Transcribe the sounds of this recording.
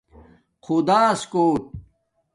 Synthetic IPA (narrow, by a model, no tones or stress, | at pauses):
qʰud̪aːskoːʈ̚